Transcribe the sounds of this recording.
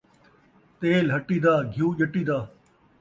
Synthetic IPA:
t̪eːlɦɐʈiːd̪aːɡʱjuːʄɐʈiːd̪aː

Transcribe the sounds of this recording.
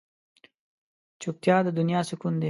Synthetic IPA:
t͡ʃuk̚t̪jɑːd̪əd̪unijɑːsɪkund̪e

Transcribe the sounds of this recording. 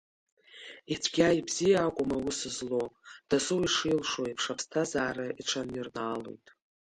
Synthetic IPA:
it͡sʷʰɡʲajibzijaːkʷʼʊmawʊsɨzlod̥asɨwiʂilʂoipʰʂapʰstʰazaːɾaiʈ͡ʂʰanirnaːlo̞̰jtʼ

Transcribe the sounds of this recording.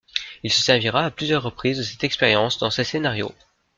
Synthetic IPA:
ilsəsɛʁviʁaːplyzjœʁːəpχizd̪əsɛt̪ɛkspeʁjɑ̃sd̪ɑ̃sesenaʁjo̰

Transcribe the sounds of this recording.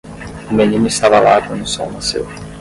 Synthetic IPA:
kumeɲimisaβaβatʰuniso̰masḛ

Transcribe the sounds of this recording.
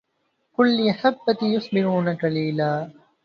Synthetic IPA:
kʊlːɪaħabːat̪ijʊsˤbɪɾuːnɐkɐliːlaː

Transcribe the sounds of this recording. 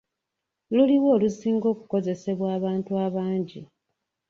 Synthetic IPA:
luliwo̞ːlusiːŋɡo̞ːku̥ko̞ze̞se̞βwaːβaːntuaβaːɲɟḭ

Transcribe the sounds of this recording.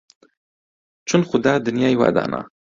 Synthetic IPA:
t͡ʃunχʊd̪ɑd̪ʊnjɑjwa̰d̪ɑ̰na̰

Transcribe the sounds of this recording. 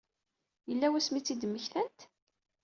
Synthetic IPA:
jəlːæwæsmit͡sːid̪əmːəçθænt̪

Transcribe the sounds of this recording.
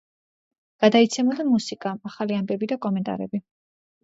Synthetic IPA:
ɡ̥ad̪ait̪sʰɛmad̪amusikʼaaχaliambɛbid̪akʼɔmɛnt̪ʼa̰ɾɛ̰bi

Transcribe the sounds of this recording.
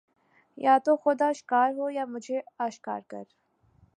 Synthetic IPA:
jaːt̪oxʊd̪aːʃɪ̥kaːɾɦoːjaːmʊd͡ʒʱeaːʃka̰ːɾkɐ̰ɾ

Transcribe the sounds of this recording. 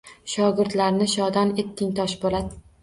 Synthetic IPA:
ʃɒɡɪɾt̪laɾnɪʃɒd̪ane̞t̪ʰːɪŋt̪ʰɒʃbolad̪ɪ

